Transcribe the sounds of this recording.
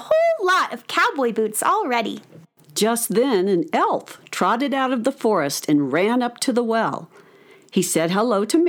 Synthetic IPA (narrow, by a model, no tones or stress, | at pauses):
hoʊlˠlɔɾʌv̥kʰaʊbɔɪbʉtsl̩ˠɹɛɾḭ | d̥ʒ̥ʌst̪̚ðɨ̃nɨ̃nɛlˠθtʰɹ̥ɑɾɨɾaʊɾʌvðəfɔɹɨstʰɨ̃nɹæ̃nʌp̚tʰɨðəwɛ̰lˠ | isɛd̚ɦəloʊɾɨm